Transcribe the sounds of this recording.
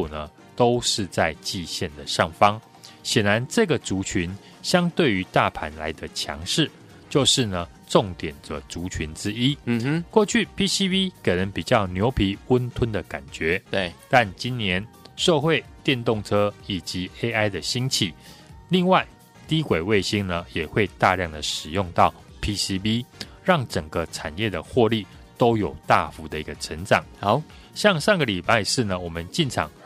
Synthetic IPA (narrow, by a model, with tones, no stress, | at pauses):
u˨˩nə˩ | t̪o˥ʊʂɻ̩˥˧t͡sa˥˧ɪt͡ɕi˥˧ɕjɛ˥˩nd̪ə˩ʂɑ˥˩ŋfɑ˥ŋ | ɕjɛ˨˩nɻa˧˦nʈ͡ʂɤ˥˨ɡə˨˩ʈ͡ʂu˧˥t͡ɕʰy˧˦n | ɕjɑ˥ŋt̪we˥˩ɪy˧˦t̪a˥˨pʰa˧˥nla̰˧˥ɪd̪ə˧t͡ɕʰjɑ̰˧˥ŋʂɻ̩˥˩ | t͡ɕjo˥˧ʊʂɻ̩˥˩nə˩ | ʈ͡ʂʊ˥˨˩ŋt̪jɛ˨˩nd͡zə˦t͡su˧˥t͡ɕʰy˧˦nt͡sɻ̩˦˥i˥kwɔ˥˧t͡ɕʰy˥˨˩pʰi˥si˥pi˥kʰa˨˩nə˨˦ŋpi˨˩t͡ɕjɑ˥˩ʊnjo˧˥ʊpʰi˧˥wə˦nt̪ʰwə˦nd̪ə˨ka̰˨˩nt͡ɕɥɛ˨˥˦t̪a˥˨˩nt͡ɕi˦nnjɛ˧˦n | ʂɤ˥˧xwe˥˧ɪt̪jɛ˥˧nt̪ʊ˥˨ŋʈ͡ʂʰɤ˥i˨˩t͡ɕi˨˦e˥ɪa˥˩ɪd̪ə˨ɕi˥ŋt͡ɕʰi˥˩li˥˧ŋwa˥˩ɪ | t̪i˦kwe˨˩ɪwe˥˩ɪɕi˥ŋnə˨jɛ˨˩xwe˥˧ɪt̪a˥˧ljɑ˥˨˩ŋd̪ə˩ʂɻ̩˨˩jʊ˥˧ŋt̪ɑ˥˨ʊ | pʰi˦˥si˥pi˦ | ɻɑ˥˩ŋʈ͡ʂə˨˩ŋɡə˦ʈ͡ʂʰa˨˩njɛ˥˩d̪ə˩xwɔ˥˧li˥˩ | t̪o˥ʊjo˨˩ʊt̪a˥˨fu˧˥d̪ə˧˨i˧˥ɡə˧ʈ͡ʂʰə˧˦ŋʈ͡ʂɑ˨˩˦ŋ | ɕjɑ˥˧ŋʂɑ˥˧ŋɡə˨li˨˩pa˥˧ɪʂɻ̩˥˩nə˩wɔ˨˩mə˦nt͡ɕi˥˨nʈ͡ʂʰɑ̰˨˦ŋ